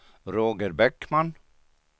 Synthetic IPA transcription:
ɾoːɡəɾbɛkman

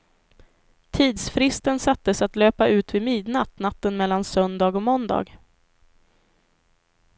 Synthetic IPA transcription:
t̪ʰiːd̪sfɾɪst̪ənsat̪ːəsat̪løːpaʔʉ̟ːt̪vɪmiːd̪nat̪nat̪ːənmɛlːansœnd̪ɑːɡɔmɔnd̪ɑ̰ːɡ

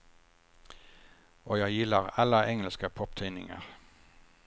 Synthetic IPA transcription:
ʔoːjæɪjɪləʁɑləʔɛŋəlskəpʰɔp̚t̪ʰæɪnɪŋə̰ʁ

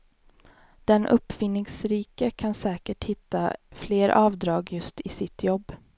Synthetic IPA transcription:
d̪̥ɛnʔɵ̰pːfɪnːɪŋsɾiːkəkʰansɛːkəʈhɪt̪ːa̰fleːɾʔɑːvd̪ɾɑːɡjɵst̪ɪsɪt̪ʰjɔbː

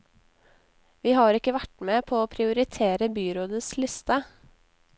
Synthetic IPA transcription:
ʋiːhɑːɾɪkəʋæʈmeːpʰoːoːpʰɾɪʊɾɪt̪ʰeːɾəbyːɾoːd̪əslɪst̪ə

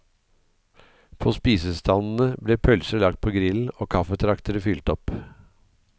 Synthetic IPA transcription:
pʰoːspiːsəst̪ʰɑnn̩əbleːpʰœlsəɭɑk̚t̪̚pʰoːɡɾɪln̩oːkʰɑfət̪ʰɾɑkt̪əɾəfʏlt̪ɔp

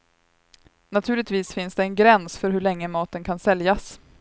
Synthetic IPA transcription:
nat̪ʰʉ̟ːlɪt̪viːsfɪnsd̪ɛɛnɡɾɛnsfœɾɦɵɭɛŋːəmɑːt̪ənkʰansɛljas

